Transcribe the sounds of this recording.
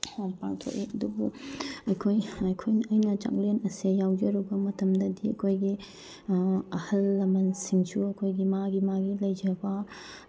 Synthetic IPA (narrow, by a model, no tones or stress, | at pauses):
pa̰ŋtʰo̰kiɐdubuɐjkʰojɐjkʰojnɐjnɐt͡ʃa̰ŋlenɐsejawd͡ʒɐɾubɐmɐtɐmdɐdiɐkʰojɡi | ɐhɐlːɐmɐnsiŋsʰuɐkʰojɡimaɡimaɡilɐjd͡ʒɐbɐ